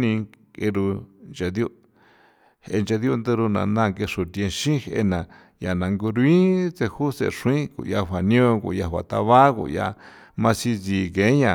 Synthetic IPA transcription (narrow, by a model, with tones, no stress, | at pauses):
nĩ˧ | ke˧ɾu˧nd͡ʒa˧d̪jo˧ | he˧nd͡ʒa˧ðjo˦˧nd̪e˧ɾu˧nã̰˨nã˦˧˨ŋke˧ʂu˨t̪jẽ˧ʃĩ˦hḛ˧nã˨ | ja˨nã˨ŋɡu˧ɾu˧˦i˦t͡se˧hu˦sḛ˧˨ʂũ˧ĩ˦kṵ˨ja˧ɸʷa˨nĩ˦õ˧kṵ˧˨ja˧hʷwa̰˨t̪a˧βa˦kṵ˨ja̰˧ | mã˧si˧t͡si˨ke˨˦ɲã˨